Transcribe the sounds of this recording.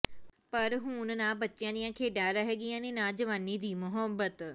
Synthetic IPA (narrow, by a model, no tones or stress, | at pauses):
pɐɾɦʊ̃nnãːbɐtːʃɪjãːd̪ɪjãkʰeːɖaːɾəɦeːɡɪjãnenãːd͡ʒəʋaːnid̪iːmʊɦəbːət̪